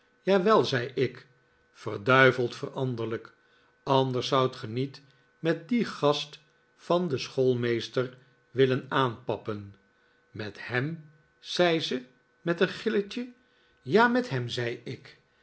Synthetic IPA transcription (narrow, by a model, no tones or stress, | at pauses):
jaːʋɛlˠzɛjɪk | fərdœɥvəlˠtfərɑndərlək | ɑndəɹsːʌwtχənit | mɛt̚diχɑst | fɑndəsχolˠmejstər | ʋɪlənaːnpɑpən | mɛthɛm | z̥ɛjzə | mɛtənχɪləcə | jaːmɛtɦɛmzɛjɪk